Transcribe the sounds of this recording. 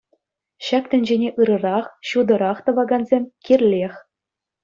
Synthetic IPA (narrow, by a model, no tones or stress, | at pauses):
ɕɑk̚t̪ʲɘ̆nʲd͡ʑenʲeʔɯɾɤ̆ɾɑχɕud̪ɤ̆ɾɑχt̪ɤ̆ʋɑɡɑnzʲemʲkʲirʲlʲexʲ